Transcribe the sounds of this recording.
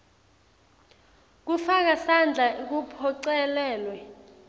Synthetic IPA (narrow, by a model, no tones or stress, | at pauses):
k̬ufak̬asand͡ɮʱaʔik̬upʰɔǀɛlɛːlwɛ